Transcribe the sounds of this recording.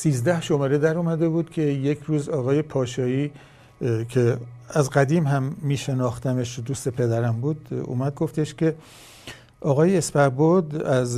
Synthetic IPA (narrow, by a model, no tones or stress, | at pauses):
siːzd̪æhʃomɒːɾed̪æɾuːmæd̪e̞buːd̪̥cʲʰe̞jekʰɾuːzɒːɣɒːje̞pʰɒːʃɒːi | kʰeæzɡæd̪iːmhæmːiːʃe̞nɒːxt̪æmeʃd̪uːst̪e̞pʰe̞d̪æɾæmbuːd̪ṵːmæd̪̚ɡo̞ft̪eʃcʰe̞ | ʔɒːɣɒːjeːspæɾbod̪æz